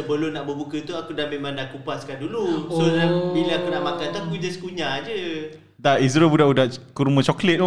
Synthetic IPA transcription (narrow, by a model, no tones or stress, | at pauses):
əbəlonaʔbəbukət̪uakudanmemãŋdaʔkupaskandulusolabiləakunaʔmakant̪uakud͡ʒasə̥kuɲad͡ʒə | daizɾobudaʔudaʔkuɾumə̃t͡ʃɔklɛt̪̚